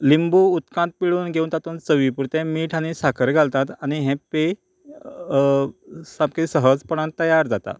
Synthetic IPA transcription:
limbuːt̪kãnt̪̚piɭuːnɡʱeuːnt̪at̪unt͡səʋipuɾt̪ɛ̃miːʈʰañisakʰəɾɡʱalt̪at̪añiɦɛ̃pe | samkesəɦəd͡zpəɽ̃ãnt̪ːəjaɾd͡zat̪a̰

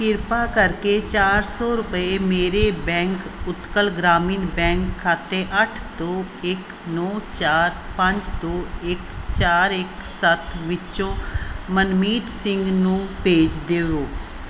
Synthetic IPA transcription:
kɪɾpaːkəɾkeːt͡ʃaːɾsɔːɾʊpəeːmeːɾeːbɛ̃ːŋkʊt̪kəlɡɾaːmiːnbɛ̃ːŋkʰːaːt̪eːʔəʈʰd̪oː | ɪk | nɔːt͡ʃaːɾpə̃ɲd͡ʒd̪oːɪkt͡ʃaːɾɪksət̪ʰʋɪt͡ʃõːmənmiːt̪sɪ̃ŋɡnũːpeːd͡ʒd̪eːʋoː

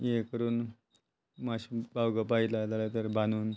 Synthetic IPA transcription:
jekəɾuːn | maɕbawɡapailat̪alat̪əɾbʱanuːn

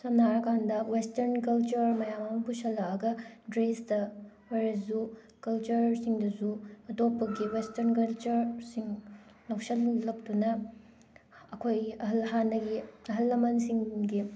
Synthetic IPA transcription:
sɐnːaɾɐkʰandɐwestɐɾnk̬ɐlt͡ʃɐɾmɐjamambusɐlːaɐɡɐdɾesdɐ | ojɾɐsu | kɐlt͡ʃɐɾsiŋdɐsuɐtopːɐɡiwestɐɾnkɐlt͡ʃɐɾsiŋ | lɐwsɐlːɐk̚tunɐ | kʰojɐɦɐlhanːɐɡiɐɦɐlːɐmɐnsiŋɡi

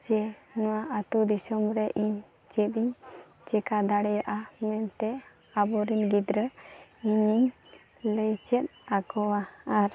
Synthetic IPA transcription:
t͡ʃɛnɔwaʔat̪ud̪isɔmɾɛʔiɲ | t͡ʃɛt̪iɲ | t͡ʃɛkad̪aɽɛɾaʔamɛnt̪ɛ | abɔɾinɡid̪ɾəiɲiɲ | ləjt͡ʃɛt̪̚akɔwaːɾ

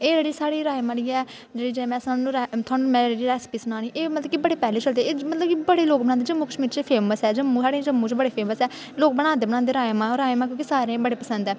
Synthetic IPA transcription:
eːd͡ʒeːɽiːsaːɽiːɾaːemaːɽiːɛː | d͡ʒeːɽiːd͡ʒemɛ̃ːsaːnũːɾɛt̪ʰʊaːnuːmɛ̃ːeːɾiːɾɛːspiːsʊnaːniːʔeːmət̪ləbkibəɽeːpɛːleːt͡ʃəld̪eːeːmət̪ləbkibəɽeːloːk̚bəɽãːd̪eːd͡ʒəmːũːkəʃmiːɾt͡ʃepʰeːməsɛːd͡ʒəmːũːsaːɽẽːd͡ʒəmːũːt͡ʃːbəɽeːpʰeːməsɛː | loːk̚bəɽ̃ãːnd̪eːbəɽãːnd̪eːɾaːemãːɾaːemaːk̬jõːkisaːɾẽːbəɽeːpəsə̃nd̪ɛː

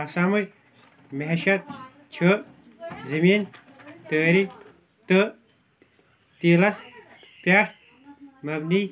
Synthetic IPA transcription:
ɐsaːmuj | mɐɦeʃɐt̪̚ | t͡ɕʰə | zɐmiːn | t̪əːɾi | t̪ə | t̪iːlɐs | pjaːʈ | mɐbni

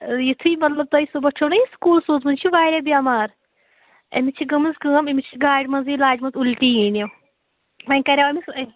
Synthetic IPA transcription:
jit̪ʰuimɐt̪lɐb̚t̪ɐjsobɐt͡ʃʰoːnɐjiskuːlsuːt̪mɐnt͡ʃʰiʋaːɾʲɐbiaːmaːɾ | ḛmit͡ʃʰiɡɐmɨzɡəːmemit͡ʃʰiɡaːɖmɐziːlaːʈmɐzulʈiːinɐ | mɐnʲkɐɾʲawɐmis

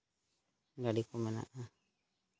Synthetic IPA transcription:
ɡaɖikɔmɛna̰ʔa

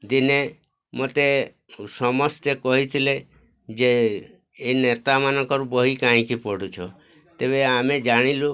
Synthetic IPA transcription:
d̪ine | mot̪e | sɔmɔst̪ekɔɦit̪ʰile | d͡ʒe | enet̪amanɔŋkɔɾbɔɦikãɦĩkipɔɽut͡ʃʰɔ | t̪eβeamed͡ʒaɽ̃ilu

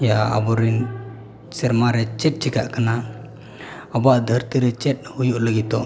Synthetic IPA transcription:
jaa̰bɔɾin | sɛɾmaɾɛt͡ʃɛt̪̚t͡ʃika̰ʔkana | ɔbaʔd̪ʱəɾt̪iɾɛt͡ʃɛt̪̚hujuʔləɡit̪ɔ

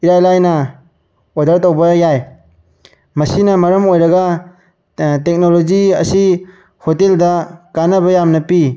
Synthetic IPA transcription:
iɾajlajnɐ | odɐɾtowbɐjaj | mɐsinɐmɐɾɐmojɾɐɡa | tek̚nolod͡ʒiɐ̰si | hoteldɐkanɐβɐjamnɐpi

